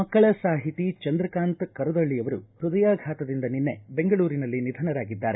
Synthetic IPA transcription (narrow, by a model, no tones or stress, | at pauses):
mɐkːɐɭɐsaːɦit̪it͡ʃɐnd̪ɾɐkaːnt̪kɐɾɐd̪ɐɭːijɐʋɐɾuhɾud̪ɐjaːɡʱaːt̪ɐd̪ind̪ɐninːebeŋɡɐɭuːɾinɐlːinid̪ʱɐnɐɾaːɡid̪ːaːɾe